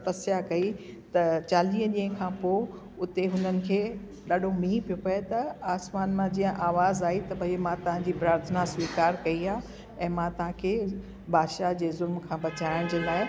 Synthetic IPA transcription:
pɐsjakɐi | t̪ɐt͡ɕaːliːə̃ʄĩːə̃kʰãːpoː | ʊt̪eɦʊn̤ənɪ̆kʰeː | ɗaːɗʱomiːĩpijopɐet̪ɐaːsmaːnmãd͡ʑijə̃ʔaːʋaːzaːit̪ɐbʱɐmãt̪ɐʋ̤ãɲd͡ʑiːbɾaːɾt̪ʰnaswiːkaːɾkɐiaː | ɛ̃ːmãt̪ɐʋ̤ãkʰeː | baːd̪ʃad͡ʑeːzʊlmkʰãːbɐt͡ɕaːɪɽ̃d͡ʑeːlaːɪ

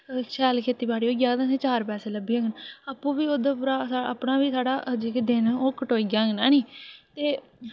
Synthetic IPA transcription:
ʃʰɛːlkʰeːt̪iːbaːɽiːoːɡjaːd̪ãːsẽːt͡ʃaːɾpɛːseːləbiːə̃ɡənaːpːũːʋiːoːd̪aːpuːɾaːsəpnaːʋiːsʰaːɽaːʔd͡ʒeːked̪ɪnoːkːəʈoːiːɡãːɡnaːniːt̪eː

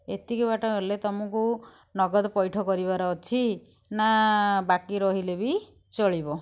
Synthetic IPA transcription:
et̪ikubaʈɔɦelet̪ɔmɔku | nɔɡɔd̪ɔpɔjʈʰɔkɔɾiβaɾɔːt͡ʃʰi | nabakiɾɔɦilebi | t͡ʃɔɭibɔ

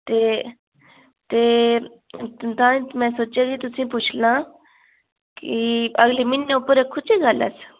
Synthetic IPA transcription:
t̪eː | t̪eː | t̪ãːmɛ̃ːsoːt͡ʃeːɡit̪ʊsĩːpʊt͡ʃʰlãː | kiəɡleːmɪnːeʊpəɾekʰːʊt͡ʃʰiːɡələ̰s

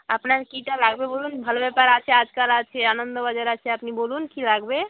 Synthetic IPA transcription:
əpnaɾkiʈalaɡbebolunbʱəlbepəɾat͡ʃʰɛad͡ʒkalat͡ʃʰɛanənd̪obəd͡ʒəɾat͡ʃʰɛəpnibolunkilaɡbe

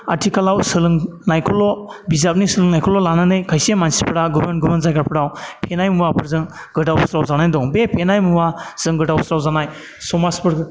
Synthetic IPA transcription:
atʰikalawsɯlɯŋnajkʰɔlɔbizap̚nisɯlɯŋnajkʰɔlɔlanɯnɯjkʰajsemansi̥pʰɯɾaɡubenɡumanzajɡaɾpʰɯɾawpʰenajmuwapʰɯɾzɯŋ | ɡɯdawsɾawzanajdɔŋbepʰenajmuwaz̥ɯŋɡɯdawsɾawzanaj | sɔmaspɯɾ

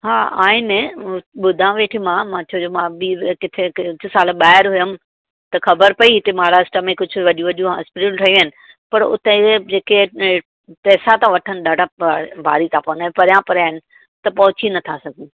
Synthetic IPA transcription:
ɦaːaːɪneɓʊd̪ʱãʋeːʈʰimãmãt͡ɕʰoːd͡ʑomãɓikɪt̪ʰeɪd͡ʑʰʊsaːlɓaːɪɾɦʊjəm̆ | t̪ɐxɐbəɾpɐiɪt̪emãːɾaːsʈəmẽkʊd͡ʑʱʊʋɐɗijũʋɐɗijũɦa̰spɪʈəlʈʰɐjũənɪ̆ | pɐɾʊ̰t̪ẽed͡ʑeːke | pɛːsat̪ãʋɐʈʰənɪɗaːɖabʱaːɾit̪ʰãpɐːnaːẽpɐɾjãpɐɾaːɦɪnɪ̆ | t̪ɐpɐɦʊt͡ɕinɐt̪ʰasɐɡʱĩ

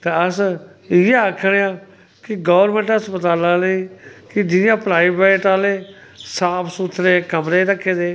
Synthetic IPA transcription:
t̪eəs | ɪjeakʰːɽeãː | kɪɡɔːʋɾmẽːɳʈəspət̪aːlãːleĩːkɪd͡ʒɪnjãːpɾaːiːbeːʈaːleː | saːpʰsut̪ʰɾeːkəmɾeːɾəkʰːeːd̪eː

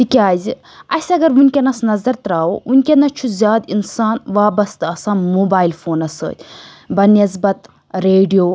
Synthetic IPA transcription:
t̪ikʲaːzi | ɐsʲɐɡɐɾunʲkʲɐnɐsnɐzɐɾt̪ɾaːwounʲkʲenɐt͡ʃʰuzʲjaːd̪insaːnʋaːbɐst̪ɐsãːmoːbaːilfoːnɐsə̰ːt̪ʲ | bɐnɐzbɐt̪ | ɾeːɖijoː

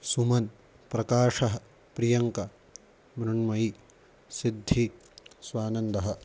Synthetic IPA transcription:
sumɐn | pɾɐkaːʂɐɦɐ | pɾijɐŋkɐ | mɾɐɳmɐi | sid̪ʱːi | swaːnɐnd̪ɐɦɐ̆

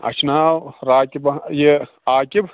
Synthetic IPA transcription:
ɐ̰t͡ʃʰnaːwɾaːkibɐje | aːkib

